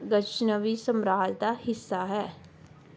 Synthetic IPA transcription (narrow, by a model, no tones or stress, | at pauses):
ɡət͡ʃnəʋisəmɾaːld̪aːhɪsːaɦɛː